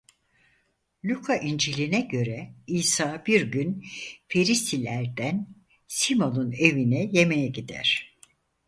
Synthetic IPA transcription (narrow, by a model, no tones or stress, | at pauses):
lʲykʰaʔind͡ʒilʲinɛɟø̞ɾɛiːsaːbiɾɟynfe̞ɾist̪ʰilʲæɾd̪æn | simo̞nune̞vinɛje̞mejɛɟid̪æ̰ɾ̥